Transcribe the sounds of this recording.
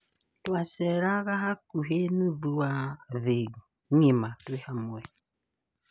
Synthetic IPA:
twasɛɾaɣaɦakuɦenuðuwaðeŋimatwehamwɛ

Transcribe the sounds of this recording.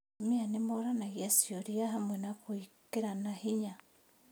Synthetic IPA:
mianemoɾanaɣjasjɔɾiaɦamwɛnakoikeɾanahiɲa

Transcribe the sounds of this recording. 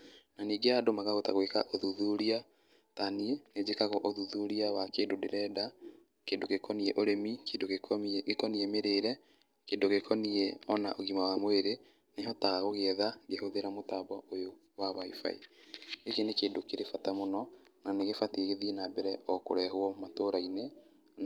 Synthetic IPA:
naniːɡeadomaɣaɣotaɣweka̰ʔoðuðuɾia | taniened͡ʑekaɣoʔoðuðuɾiawakeːndodeɾɛːda | keːdokekɔniɛʔoɾemikedoekɔniɛmeɾeːɾɛ | keːndoɣekʰɔniɛɔna̰ʔoɣimawamweɾe | neɦɔtaɣaɣoɣeðaɡehoðeɾamotabɔojo | waβaifa̰ḭekenekeːndokeɾefatamonɔnaneɣefatieɣeðiɛnabɛɾɛɔko̰ɾɛɦoɔmatoɾaine

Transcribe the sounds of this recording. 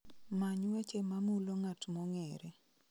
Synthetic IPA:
maɲwet͡ʃemamuloŋatmɔŋɛɾɛ

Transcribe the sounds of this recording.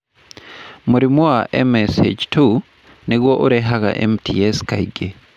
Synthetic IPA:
muɾimwwaʔḛmesḛt͡ʃtu | niɣwoʔuɾeɦaɣa̰ʔḛmtʰḭeskaiɡe

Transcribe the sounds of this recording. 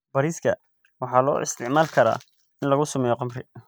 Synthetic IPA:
bɐɾiːskʰɐ̰ | wɑħɑːlɔ̰ːʔɪ̰st̪ʰɪʕmaːlkʰɐɾa̰ː | ɪnlɐɣʊsʊmɛjɔqɑmrɪ

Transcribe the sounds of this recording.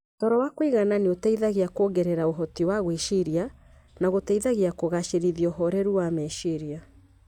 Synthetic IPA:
tɔɾɔwakwiɣananeotɛiðaɣeakoɡɛɾɛɾaoɦɔtiwaɣwiʃiɾia | naɣotɛiðaɣiakoɣaʃeɾiðiɔɦɔɾɛɾuwamɛʃiɾia

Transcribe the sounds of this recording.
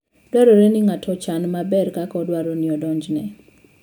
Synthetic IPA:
d̥waɾɔɾɛnɪŋatʰɔt͡ʃanmabɛrkakɔdwaɾɔnɪɔdɔɲd͡ʒnɛ

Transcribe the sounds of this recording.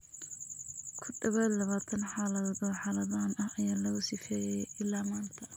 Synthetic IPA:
kʰʊɖɐβɛːd̪lɐβaːt̪ʰɐnħaːlɐððɔħaːlɐðaːnɐhɐjaːlɐɣʊsɪfɛːjɛʔɪlːaːmaːnt̪ʰɐ

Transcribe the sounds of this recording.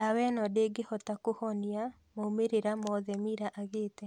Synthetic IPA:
awɛnɔdeɡehɔtakohɔnia | maomeɾeɾamɔðɛmiɾaʔaɣeːtɛ

